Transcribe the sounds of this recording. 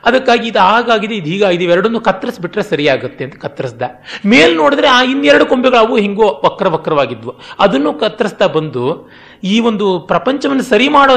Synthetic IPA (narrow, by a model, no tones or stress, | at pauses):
ɐd̪ɐkːaːɡiːd̪uɦaːɡaːɡid̪eid̪uɦiːɡaːɡid̪eʋɛɾɐɽo̞nd̪ukɐt̪ːɾɐsbiʈːɾesɐɾijaːɡut̪ːe̞ɐnt̪ɐ̥kɐt̪ːɾɐsd̪ɐmeːlno̞ːɽid̪ɐɾeaːinːɛɾɐɽuko̞mbiɡɐɭɐʋuːɦiŋɡoʋɐkːɐɾɐʋɐkːɐɾɐʋaːɡid̪ʋuɐd̪ɐnːuːkɐt̪ːɾɐsd̪ɐbɐnd̪u | iːʋo̞nd̪upɾɐpɐɲt͡ʃɐʋɐnːɐsɐɾimaːɽoː